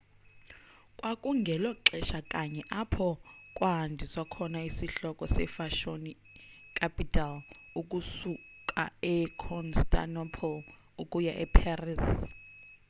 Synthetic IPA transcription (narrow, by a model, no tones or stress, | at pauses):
kʼwakʼuŋɡʱɛlɔǁɛʃakʼaɲɛʔapʰɔkʼwandʱiswakʰɔnaisiɬɔkʼɔsɛfaʃoni | kʰʼapʰʼitʰal | uk̬ʼusukʼa̰ɛkʰɔnstʰʼa̰nɔpʰɔl | ukʼujaʔɛpʰaris